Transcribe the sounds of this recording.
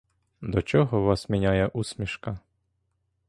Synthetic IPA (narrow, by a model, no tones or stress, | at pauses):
d̪ɔt͡ʃɔɦɔʋɑsmʲinʲajɛʔusʲmʲiʃkɑ